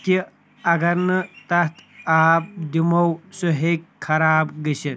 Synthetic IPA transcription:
ki | ɐɡɐɾnɐt̪ɐt̪ʰaːp̚d̪imɐwsoɦekʰːɐɾaːbɡɐɕɐt̪

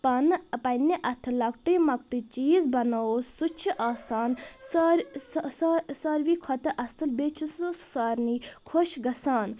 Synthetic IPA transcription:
pɐnpɐniʔɐt̪ʰɨlɐkʈimɐk̚ʈ̪it͡ʃiːzbɐnasut͡ʃʰiʔaːsaːnsɐɾssɐɾʋiːkʰɔt̪ɐʔɐsɐlbeːt͡ʃʰusoːaːɾniːkʰoʃɡɐsaːn

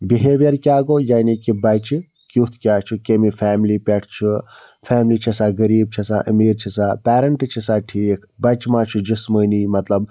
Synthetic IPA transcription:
biɦeːʋjɐɾkʲaːɡoːjaːnikibɐt͡ʃi | kʲut̪ʰkʲaːt͡ʃʰukemifʰaːmlipʲeʈʰt͡ʃʰu | fɛːmliːt͡ʃʰɐsaːɡɐɾiːb̚t͡ʃʰɐsa̰ːʔɐmiːɾt͡ʃʰisaːpɛːɾɐɳʈɨt͡ʃʰisaːʈʰikʰbɐt͡ʃmaːt͡ʃʰud͡ʒisməːniːmɐt̪lɐb

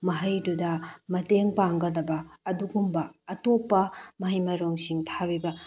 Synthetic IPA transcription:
mɐɦɐjdudɐmɐteŋpaŋɡɐlɐbɐːduɡumbɐːtopːɐmɐɦijmɐɾoŋsiŋtʰabibɐ

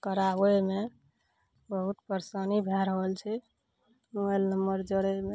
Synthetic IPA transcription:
kəɾabeme | bəɦut̪pəɾsənibʱɛɾəɦəlt͡ʃʰɛ | muəlnəmːəɾd͡ʒəɽeme

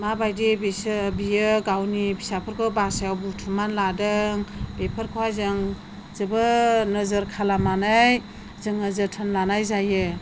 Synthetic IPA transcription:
mabajdibesɯbijɯɡawnibʰisapʰɯɾkʰɯbasajawbutʰumanladɯŋbepʰəɾkʰawajzɯŋ | zɯbɯnɯzɯɾkʰalamanaj | zɯŋnəzɯɾtʰənlanajzajɯ

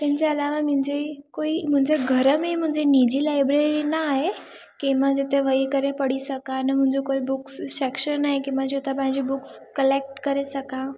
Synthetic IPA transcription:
t̪ɛ̃ɦɲt͡ɕeəlaʋamə̃ɲd͡ʑekoim̤əɲd͡ʑeɡʱəɾəmẽm̤ə̃ɲd͡ʑenid͡ʑilajbɾeɾinaːɦe | kimãd͡ʑet̪eʋəjkəɾepəɽisəkãnəm̤ə̃ɲd͡ʑekoibuksʃekʃənnːaɦjkimãd͡ʑot̪ap̬ãɦĩɲd͡ʑibukskəlek̚ʈkəɾesəkã

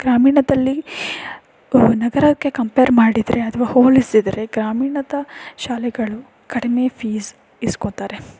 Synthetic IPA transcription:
ɡ̥ɾaːmiːɳɐd̪ɐlːi | nɐɡɐɾɐkːekɐmpeːɾmaːɽid̪ɾe̞ɐt̪ʰɐʋɐhoːlisid̪ɐɾe̞ɡɾaːmiːɳɐd̪ɐʃaːlɛɡɐɭu | kɐɽime̞pʰiːz | iskot̪aːɾe̞

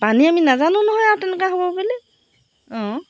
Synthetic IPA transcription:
paniaminazanʊ̃nɔɦɔjatɛnɛkaɦobɔbelɛ | ɔ̃

